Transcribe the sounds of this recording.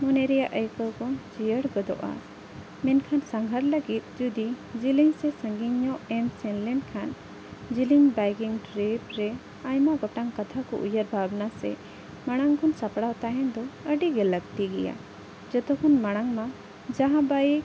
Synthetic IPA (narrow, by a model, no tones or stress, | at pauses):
mɔnɛɾɛjaʔəjkɔkɔd͡ʒijəɽɡɔd̪ɔ̰ʔa̰ | mɛnkʰansaŋɡʱaɾləɡit̪̚d͡ʒud̪id͡ʒiliŋsɛsə̃ŋɡiɲːɔʔɛnsɛnlɛnkʰan | d͡ʒiliŋbaɡiŋʈɾebɾɛ | ajmaɡɔʈaŋkat̪ʰakɔ̰ʔṵjəɾbʱabnasɛ̰ | maɽ̃aŋkʰɔnsapɽawt̪aɦɛnd̪ɔəɖiɡɛləɡt̪iɡɛ̰ja̰ | d͡ʒɔt̪ɔkʰɔnmaɽ̃aŋma | d͡ʒaɦãbaji